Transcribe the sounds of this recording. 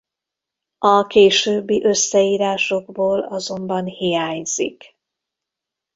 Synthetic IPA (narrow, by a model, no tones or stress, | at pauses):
ɒkeːʃøːbːiʔø̞sːɛiːɾaːʃo̞ɡboːlɒzo̞mbɒnhijaːɲz̥ḭk